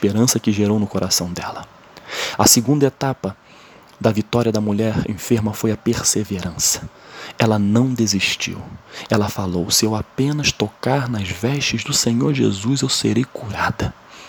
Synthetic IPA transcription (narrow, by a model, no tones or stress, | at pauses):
ʃpeɾɐ̃sɐkɪʒeɾownʊkoɾʔasɐ̃w̃d̪ɛ̰lɐ | ɐsɪɡũnd̪ɐet̪apɐ | d̪ɐvit̪ɔɾʲiɐd̪ɐmuʎɛɾḛ̃feɾmɐfojɐpeɾseveɾɐ̃sɐ̥ | ɛlɐnɐ̃w̃d̪eziʃt͡ʃḭwɛlɐfalowsɪewapẽnɐst̪okaɾnɐzvɛʃt͡ʃɪzd̪ʊsẽɲoɾʒḛzuzewseɾejkuɾad̪ɐ